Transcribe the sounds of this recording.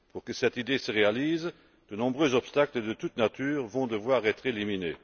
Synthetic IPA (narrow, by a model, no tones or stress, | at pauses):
puʁkəsɛt̪id̪esəʁealiːz | d̪̥ənɔ̃bʁøːzɔpst̪akləd̪ət̪ut̪nat̪ʰyːʁvɔ̃d̪əvwaːʁɛt̪χelimine